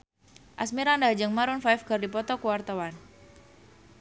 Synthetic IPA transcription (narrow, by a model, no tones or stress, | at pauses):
ʔasmiɾandad͡ʒəŋmaɾʊnfajfɡ̥ərdipɔt̪ɔkuwart̪awan